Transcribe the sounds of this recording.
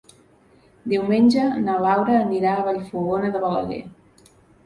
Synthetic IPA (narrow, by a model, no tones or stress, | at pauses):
d̪iwmenʲd͡ʒənaβawɾəːniɾaːβaʎfuɣonəðəβələ̰ðḛ